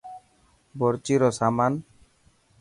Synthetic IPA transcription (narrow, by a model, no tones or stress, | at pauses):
bɔɾt͡ʃiɾɔsaman